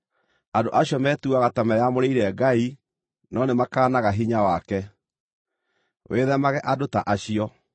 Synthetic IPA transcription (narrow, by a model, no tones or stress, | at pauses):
andoʔaɕjɔmɛtuaɣatamɛjamoɾeiɾɛɡai | nɔnemakaːnaɣaɦiɲawakɛ | weːðɛmaɣɛʔadotaʔaɕiɔ